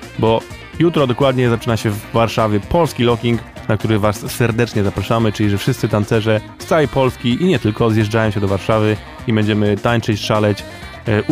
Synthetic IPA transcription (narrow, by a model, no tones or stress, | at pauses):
bɔ | jut̪ɾɔd̪ɔkwad̪ɲɛzat͡ʂɘnaɕɛvːaɾʂavʲjɛpɔlskʲilɔkʲiŋk | nakt̪uɾɘvassɛɾd̪ɛt͡ʂɲɛzapɾaʂamɘt͡ʂɘlʲiʐɛfʂɘst̪sɘt̪ansɛʐɛ | st̪sajipɔlskʲiʔiɲɛt̪ɘlkɔzjɛʐd͡ʐajɔ̃ɕɛd̪ɔvaɾʂavɘ | ibɛɲd͡ʑɛmɘt̪aɲt͡ʂɛt͡ɕʂalɛt͡ɕ